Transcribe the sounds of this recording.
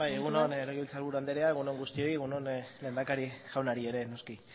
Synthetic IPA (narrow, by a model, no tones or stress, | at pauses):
bajeɣunonɾoɣiilt͡salβuɾuand̪eɾeae̞ɣunoŋɡust̪io̞jeɣunonle̞ːnd̪akaɾiʝ̥awnaɾie̞ɾe̞no̞ski